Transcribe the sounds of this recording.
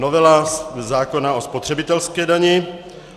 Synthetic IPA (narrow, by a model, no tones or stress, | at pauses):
novɛlazaːkonaospot̪r̥ɛbɪt̪ɛlskɛːdaɲɪ